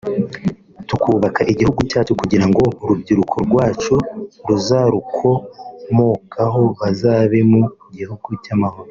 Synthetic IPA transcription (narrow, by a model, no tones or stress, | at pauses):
tukʰuːβakaʔiɟihuɡucaːt͡ʃukuɟiɾaŋɡo̞ɾubɟiɾukʰoɾɡwaːt͡ʃuɾuzaɾukʰo̞mokʰaɦo̞βazaːβemoiɟihuɡucamaho̞ɾo